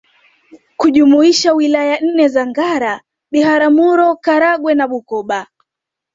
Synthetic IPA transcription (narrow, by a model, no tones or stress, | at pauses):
kuʄumuiʃawilajan̩nɛzaŋɡaɾa | ɓiɦaɾamuɾɔkaɾaɡwɛnaɓukɔɓa